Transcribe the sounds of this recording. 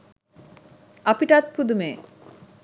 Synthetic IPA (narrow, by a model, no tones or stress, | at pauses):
apiʈat̪̚pud̪ume